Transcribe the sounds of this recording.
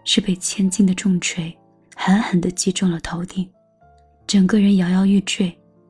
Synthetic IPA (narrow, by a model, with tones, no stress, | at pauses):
ʂɻ̩˥˧pe˥˩ɪt͡ɕʰjɛ˥nt͡ɕi˥˩ŋd̪ə˨˩ʈ͡ʂʊ˥˧ŋʈ͡ʂʰwe˧˥˩ɪ | xa˧˥nxə˨˩nd̪ə˦t͡ɕi˥ʈ͡ʂʊ˥˩ŋlə˨˩t̪ʰɑ˧˥ʊt̪i˥˩ŋ | ʈ͡ʂɤ˨˩ŋkə˥˧ɻə˧˥njɑ˨˩ʊjɑ˥˧ʊy˥˧ʈ͡ʂwe˥˩ɪ